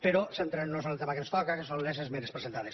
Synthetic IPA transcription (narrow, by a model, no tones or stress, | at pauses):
peɾɔsent̪ɾenosonelˠt̪emakenst̪ɔkakesonlezezmeɾespɾezent̪aðes